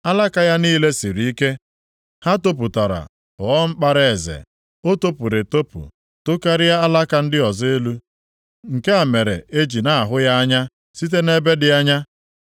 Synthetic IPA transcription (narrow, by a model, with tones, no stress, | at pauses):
a˦la˦ka˨ja˦niː˦le˦si˨ɾi˦i˦ke˦ | ha˦to˦p̬u˨ta˨ɾa̰˨ | ɔ˨ɔ˦ŋ͡m̩˦k͡pa˦ɾe˦e˨zḛ˨ | o˦to˦pu˨ɾe˨to˦pṵ˨ | tʊ˦ka˦ɾɪ˦ja˦a˦la˦ka˨n̩˦dɪ˦ɔ˨ze˦lu˦ | ŋ̩˨ke˦a˨me˨ɾe˨ʔe˦d͡ʒi˨na˨a˨ɦʊ˦ja˦a˦ɲa˦ | si˦t̬e˦ne˦be˦dɪ˦a˦ɲa˦